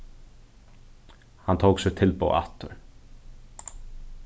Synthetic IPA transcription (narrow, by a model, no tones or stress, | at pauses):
hant̪ʰowksɪɣt̪ʰɪlpo̰ːwʔa̰t̪ʏɾ